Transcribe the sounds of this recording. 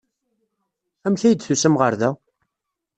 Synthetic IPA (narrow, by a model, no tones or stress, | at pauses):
æmθæjəd̪θusæmʁəɾðæ